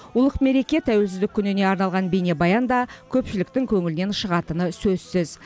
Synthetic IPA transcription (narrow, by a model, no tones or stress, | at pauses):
ʊlˠəqme̞ɾe̞kʲe̞t̪ʰæwe̞lsɪzd̪ɪkʲʰːʏnene̞ɑɾnɑlˠʁɑnbene̞bɑjɑnd̪ɑkʲʰɵpʃɪlɪk̚t̪ɪŋkʲʰɵŋɪlɪne̞nʃəʁɑt̪ənəsɵzsɪz